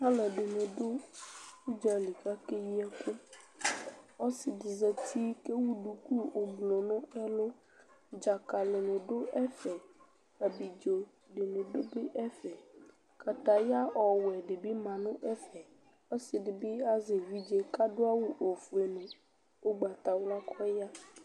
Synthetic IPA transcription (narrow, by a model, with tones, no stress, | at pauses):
a˦le˨ɖe˨nẽ˨ɖo˦ | u˦d͡ʒa˦li˨ka˦ke˦ji˦a˦ku˦ | ɔ˦si˨di˨ze˨t̪ʰi˦ke˦wu˦ɖu˨ku˦o˨ɡ͡blɔ̃˨nɔ̃˦ɛ˦lo˦ | d͡ʒa˨ka˨le˨nẽ˨ɖo˦ʔɛ˦fɛ˨ | a˨bi˨d͡ʒo˨ | ɖe˨nẽ˨ɖo˦be˦ʔɛ˦fɛ˨ | ka˨t̪a˨ja˦ʔɔ˨wɛ˨ɖe˨bi˦mã˨nʊ̃˦ʔɛ˦fɛ˨ | ɔ˦si˨ɖɪ˨bi˦a˦ze˨wi˦d͡ʒe˦ka˦ɖo˦a˦wu˨ʔo˨fu˨e˨nẽ˨ | o˦ɡ͡ba˨t̪a˨wla˦kʰɔ˦ja˦